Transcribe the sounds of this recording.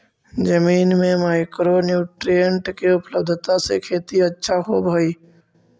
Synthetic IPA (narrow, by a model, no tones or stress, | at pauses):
d͡ʒəmiːnmẽmaːɪkɾonjuːʈɾijə̃ɳʈkeʊpləb̚d̪ʱt̪asḛkʰeːt̪iətːʃʰaɦobʱaiː